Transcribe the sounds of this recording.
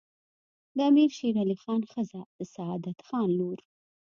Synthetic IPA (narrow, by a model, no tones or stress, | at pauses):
d̪əamiɾʃeɾalixɑnxəzad̪̥əsaɑd̪at̪xɑnloɾ